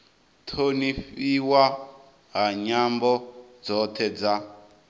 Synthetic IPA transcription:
t̪ʰoniɸiwa | ɦaɲambɔd͡zɔt̪ʰɛd͡za

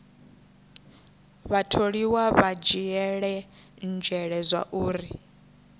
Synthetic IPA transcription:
βatʰoɺiwaβad͡ʒijɛɺɛ | nd͡ʒʱɛɺɛzʷa̰ʔuːɾi

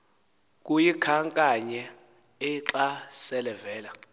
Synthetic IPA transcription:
k̬ʼujikʰaŋkʼaɲɛ | ɛǁasɛlɛvɛːla

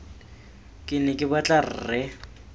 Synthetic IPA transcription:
kʼɪnɛkʼɪbat͡ɬʼar̩rɪ

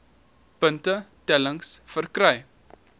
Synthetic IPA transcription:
pəntətɛləŋsfərkɾaj

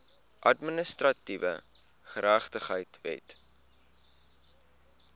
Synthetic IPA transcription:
ʔɐdmənəstrɐtivə̰ | χəɾæχtəχəjtvɛ̰t

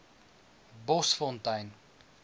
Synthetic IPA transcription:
bɔsfɔntɐjn

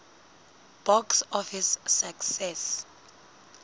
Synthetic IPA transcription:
b̥ɔksɔfisːaksɛs

